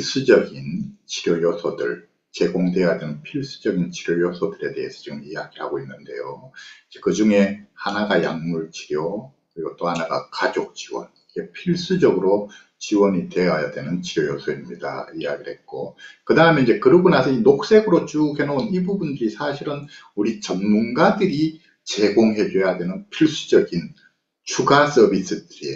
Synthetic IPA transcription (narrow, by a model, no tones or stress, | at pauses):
ɭs͈ud͡ʑʌɡint͡ɕi̥ɾjʌjʌsʰʌdɯ̰ɭ | t͡ɕe̞ɡoŋdejaadwenɯnpʰiɭs͈u̥d͡ʑʌɡint͡ɕiɾjojʌsʰʌdɯɾe̞de̞ɦesʰʌt͡ɕiɡɯmijaɡiɭhaɡoinːɯnde̞̰joid͡ʑe̞kɯd͡ʑuŋe̞hanaɡaja̰ŋmuɭt͡ɕi̥ɾjʌ | kɯɾiɡʌt͈ohanaɡa̰kad͡ʑok̚t͡ɕ͈iwʌ̰n | iɡe̞pʰiɭs͈ud͡ʑʌɡɯɾo | t͡ɕiwʌɲite̞ɦajadwe̞nɯnt͡ɕiɾjojosʰʌimɲida̰ija̰ɡiɭhe̞t̚k͈okɯdaɦɯmjnid͡ʑe̞kɯɾɯɡunasʰʌinok̚s͈e̞ɡɯɾot͡ɕukenounibubundɯɾisʰaɕʰiɾɯn | uɾit͡ɕʌŋmunɡadɯɾi | t͡ɕe̞ɡoŋɦe̞d͡ʑejadwe̞nɯnpʰiɭs͈ud͡ʑʌɡin | t͡ɕʰuɡas͈ʌbis͈ɯdɯɾie